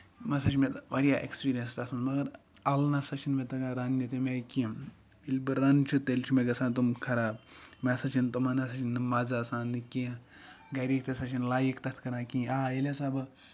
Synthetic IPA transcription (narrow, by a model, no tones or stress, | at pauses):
mɐsɐt͡ʃʰimʲet̪ʋɐɾʲjaːʔḛkspiːɾijɐnst̪ɐsʰunmɐɡɐɾ | ɐlnɐsɐt͡ʃʰinmʲet̪ɐɡaɾanʲjɐt̪emekĩ | ilʲbɨːɐnt͡ʃʰut̪elʲt͡ʃʰumeɡɐsaːnt̪̬umkʰɐɾaːb̚mʲesɐt͡ʃʰint̪umɐnɐsɐt͡ʃʰinɨmaːzaːsaːnːɨkĩɡɐɾiːk̚t̪esɐt͡ʃʰinlaːjikt̪ɐt̪ʰkɐɾaːkĩːaːelʲesaːbɐ